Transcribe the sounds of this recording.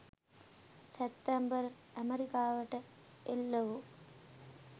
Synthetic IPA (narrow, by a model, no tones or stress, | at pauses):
set̪ːæmbər | æmeɾikaːʋəʈə | elːəʋu